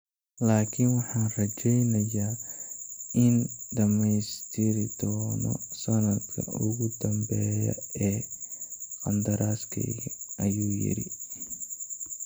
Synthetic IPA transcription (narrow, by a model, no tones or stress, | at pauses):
laːkʰɪnwɑħɑːnrɐt͡ʃɛjnɐjaː | ɪnɖɐmɛjst̪ʰɪɾɪd̪ɔːnɔ̰sɐnɐd̪kʰɐ̰ʔʊɣʊd̪ɐmbɛːjɐ̰ɛː | qɐnd̪ɐɾaːskʰɛ̰jɣɐɐjuːjɪ̰ɾɪ̰